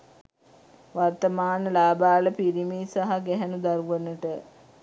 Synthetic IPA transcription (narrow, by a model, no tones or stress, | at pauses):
ʋart̪əmaːnəlaːbaːləpiɾimiːsaɦaɡɛɦænud̪aɾuʋənəʈə